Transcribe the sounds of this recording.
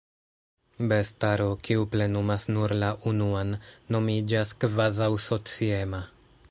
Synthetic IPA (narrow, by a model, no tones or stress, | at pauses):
bestaɾokiuple̞numasnuɾlaʔunuanːo̞mid͡ʒaskvazawso̞t͡siema